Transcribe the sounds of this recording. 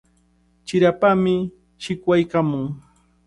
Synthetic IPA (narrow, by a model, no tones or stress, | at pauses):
t͡ʃɪɾapamɪ | ʃɪkwajkamʊŋ